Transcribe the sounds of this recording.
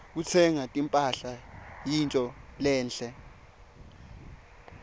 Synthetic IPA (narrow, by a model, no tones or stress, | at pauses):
k̬ut͡sʰɛŋatʼimpʼaɬajintʼɔlɛːnɬɛ